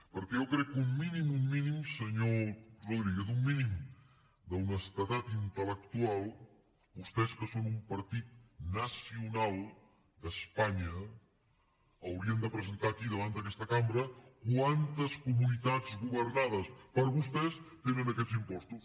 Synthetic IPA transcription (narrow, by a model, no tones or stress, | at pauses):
pəɾkɛowkɾɛkːumminimumːinimsəɲoruðɾiɣɛt̪umːinim | d̪əwnəst̪ət̪at̪int̪ələkt̪ualˠ | ust̪ɛskəsonumpəɾt̪it̪̚nəsiunalˠ | d̪əspaɲə | wɾiənd̪əpɾəzənt̪aːkiðəβant̪əkɛst̪əkambɾəkwant̪əskumunit̪ad͡zɣuβəɾnað̞əspəɾβust̪ɛst̪enənəkɛd̪zimpɔst̪us